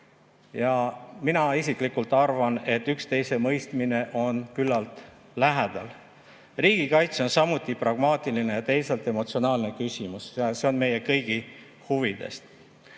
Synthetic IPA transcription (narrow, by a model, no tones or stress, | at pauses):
jɑminɑisiklikult̪ˑɑrvɑne̞t̪ːˑykst̪e̞jse̞mɤjst̪mine̞ʔo̞nkylːɑlt̪ | læɦæd̪̥ɑl | riːɡ̥ikɑjt̪so̞nsɑmut̪ːˑiprɑɡ̥mɑːt̪ˑiline̞jɑt̪e̞jselt̪ˑe̞mo̞t̪sio̞nɑːlne̞kysʲimusse̞o̞nme̞je̞kɤ̞jɡ̥i | huvid̪̥e̞̰st̪